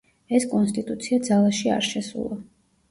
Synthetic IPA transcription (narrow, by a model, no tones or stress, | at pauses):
ɛskʼɔnst̪ʼit̪ʼut̪sʰiad̪zalˠaʃia̰ɾʃɛsṵlˠa